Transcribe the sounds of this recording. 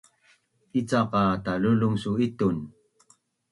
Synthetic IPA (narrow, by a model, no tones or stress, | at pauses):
it͡sɑqɑt̪aluluŋsuit̪un